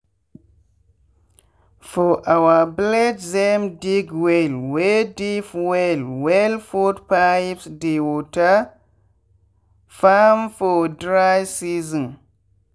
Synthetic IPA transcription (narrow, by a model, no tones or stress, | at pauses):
fɔʔawablɛdzɛmdiɡwelwedifwɛlwɛlfutpajpsdewɔta | famfɔdɹajsizɔ̃n